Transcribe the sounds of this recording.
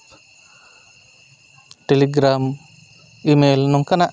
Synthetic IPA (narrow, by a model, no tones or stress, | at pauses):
ʈeliɡɾaːm | imeːlnɔŋkɐna